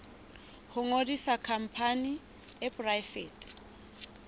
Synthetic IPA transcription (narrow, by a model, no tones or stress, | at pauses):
hʊŋodisakʰam̩pʰani | ɛpʼrajfeːtʼ